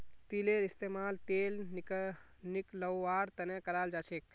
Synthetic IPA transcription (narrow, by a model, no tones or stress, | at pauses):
t̪ileɾist̪emalt̪elniknikləwːaːɾt̪ənekəɾald͡ʒat͡ʃʰek